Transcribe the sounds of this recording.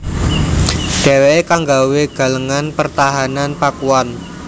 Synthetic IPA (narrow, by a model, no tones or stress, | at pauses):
ɖ̥ɛ̤wekaŋɡaweɡ̥a̤ləŋanpərt̪aɦananpakuwan